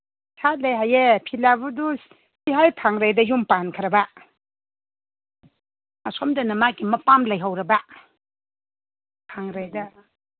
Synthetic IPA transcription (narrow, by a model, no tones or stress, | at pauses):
sʰat̚lajɦajepʰilabudu | siɦajpʰaŋɾajdɐjumpankʰɐɾɐba | masɔmdɐnɐmakimɐpamlajɦawɾɐba | pʰaŋɾajdɐ